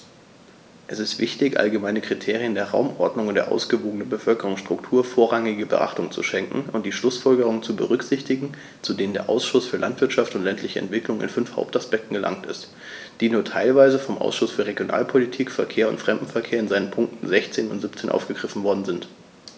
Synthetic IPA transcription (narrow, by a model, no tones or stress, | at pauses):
ʔɛsɪstv̥ɪçtɪçʔa̰lɡəmaɪnəkʁ̥itʰeːʁiəndeːɐʁa̰ʊmʔɔɐdnʊŋʊntdḛːɐʔa̰ʊsɡ̥əvoːɡənənbəfœlkəʁʊŋsʃtʁ̥ʊktʰuːɐfoːɐʁaŋɪɡəbə̰ʔa̰χtʊŋt͡sṵʃɛŋkŋ̩ʊnt̚d̥iːʃlʊsfɔlɡəʁ̞ʊŋənt͡subə̰ʁʏkz̥ɪçtɪɡŋ̩ | t͡sudeːnəndeːɐʔa̰ʊsʃʊsfyːɐlantv̥ɪɐtʃaftʊntlɛntʰlɪçəʔɛ̰ntv̥ɪklʊŋɪ̰nfʏnfha̰ʊp̚taspɛk̚tn̩ɡəlʔa̰ŋtɪ̰st | d̥iːnuːɐtʰaɪlvaɪzəfɔmʔa̰ʊsʃʊsfyːɐʁeɡjonʔa̰ːlpʰolitʰiːkfɛɐkʰeːɐʊ̰ntfʁ̥ɛmdm̩fɛɐkʰeːɐɪnzaɪnənpʰʊŋk̚tn̩zɛçt͡seːnʊ̰ntz̥ɪp̚t͡seːnʔa̰ʊfɡ̥əɡʁɪfn̩vɔɐdn̩zɪnt